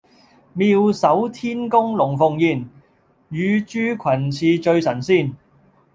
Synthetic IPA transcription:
miː˧wsɐ˨˥wt̪ʰiː˥nkʊ˥ŋlʊ˨˩ŋfʊ˨ŋjiː˨˩n | jyː˨˧t͡ʃyː˥kʷʰɐ˨˩nt͡sʰiː˧t͡ʃɵ˧ɥsɐ˨˩nsiː˥˩n

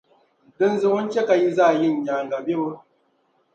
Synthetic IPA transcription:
dɔ˦nzʊ˦wɔ˦ŋkʲe˦ka˨ji˦zaː˦˨jɪ˦˨ɲja˨ŋɡa˨be˦wa˦

